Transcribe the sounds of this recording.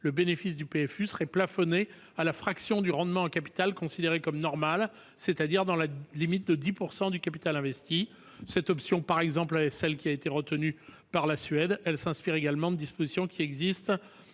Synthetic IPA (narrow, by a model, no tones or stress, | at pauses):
ləbenefis̬d̪ypeɛfysəʁɛplafɔne | alafχaksjɔ̃d̪yʁɑ̃d̪mɑ̃ːkapi̥t̪alkɔ̃sid̪eʁekɔmnɔʁmal | set̪ad̪iʁd̪ɑ̃lalimit̪̚d̪əd̪ipuʁsɑ̃d̪ykapit̪alɛ̃vɛst̪i | sɛt̪ɔpsjɔ̃paʁɛɡzɑ̃plaɛksɛlkʲiaet̪eʁət̪əny | paʁlasɥɛd̪ɛlsɛ̃spiʁeɡalmɑ̃d̪əd̪ispozisjɔ̃kʲʰiɛɡzist̪